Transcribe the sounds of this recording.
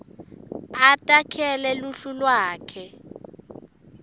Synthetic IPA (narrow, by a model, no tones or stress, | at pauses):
atʼakʰɛlɛluɬulwaːkʰɛ